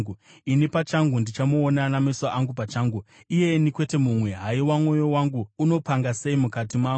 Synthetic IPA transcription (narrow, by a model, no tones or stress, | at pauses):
uinipat͡ʃaŋɡundit͡ʃamuːnanameswaʔaŋɡupat͡ʃaːŋɡu | ije̞nikwe̞te̞mumwe̞ɦaiwamwo̞jo̞waŋɡuːno̞paŋɡase̞imukatimaːu